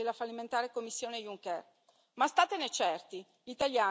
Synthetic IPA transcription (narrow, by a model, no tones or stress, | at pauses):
elːafalːiment̪aːɾekomːisːjoːnejuŋkɛr | mast̪aːt̪enet͡ʃɛrt̪i | ʎit̪aljaː